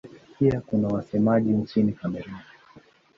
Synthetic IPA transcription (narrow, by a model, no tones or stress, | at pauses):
piakunawasɛmaʄint͡ʃinikamɛɾuni